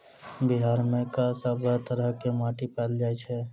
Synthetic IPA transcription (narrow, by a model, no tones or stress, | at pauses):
bɪɦaːɾmẽkasəbət̪əɾəɦkemaːʈipɛːld͡ʒaːet͡ʃʰɛ